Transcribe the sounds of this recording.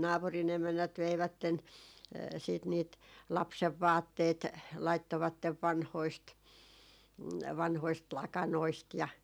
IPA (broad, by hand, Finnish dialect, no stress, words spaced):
nɑːpurin emænːæt ʋeiʋætːen siːt niːt lɑpseʋːɑːtːeːt lɑitːoʋɑtːeʋ ʋɑnhoist ʋɑnhoist lɑkɑnoist jɑ